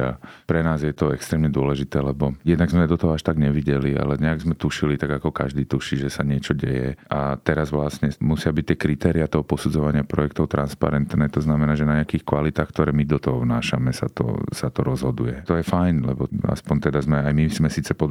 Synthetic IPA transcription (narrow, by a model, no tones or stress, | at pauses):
a̰pɾɛnaːzjɛt̪ɔɛkst̪ɾɛːmɲɛd̪ʊɔlɛʒit̪ɛːlɛbɔjɛd̪naɡzmɛd̪ɔt̪ɔɦɔaʃt̪aɡɲɛʋiɟɛlia̰lɛɲɛaɡzmɛt̪uʃilit̪aɡakɔka̰ʒd̪iːt̪uʃiːʒɛsaɲɪɛt͡ʃɔɟɛ̰jɛ̰ʔat̪ɛɾazʋlasɲɛmusɪabic̚t̪ɪɛkɾit̪ɛːɾiat̪ɔɦɔpɔsud͡zɔʋaɲɪapɾɔjɛk̚t̪ɔʊt̪ɾanspa̰ɾɛnt̪nɛːt̪ɔznamɛnaːʒɛnaɲɛakiːxkʋalit̪aːxkt̪ɔɾɛːmid̪ɔt̪ɔɦɔʋnaːʃamɛsa̰t̪ɔ̰sat̪ɔɾɔzɦɔd̪ujɛt̪ɔjɛfajnlɛbɔa̰spɔɲt̪ɛd̪azmɛajmizmɛsiːt͡sɛpɔd̪